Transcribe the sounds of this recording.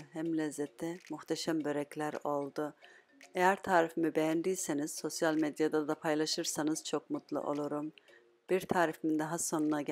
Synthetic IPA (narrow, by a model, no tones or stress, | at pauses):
ɦæmlʲɛzːɛt̪ʰːɛmuxt̪ʰɛʃæmbø̞ɾɛclʲæɾo̞lˠd̪u | ejæɾt̪ʰaːɾifimibejænd̪ijse̞niz̥so̞sjalʲmed̪jad̪ad̪apʰajlˠaʃɯɾsanɯz̥t͡ʃʰo̞kmut̪lˠṵʔo̞̰lˠuɾum | b̥iɾt̪ʰaːɾifimind̪aɦaso̞nunaɟ